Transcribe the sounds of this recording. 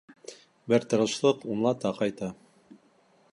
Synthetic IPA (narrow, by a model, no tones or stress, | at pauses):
bɘɾt̪ɤ̆ɾɤ̆ʃlˠɤqunlˠɑt̪ɑqɑjt̪ɑ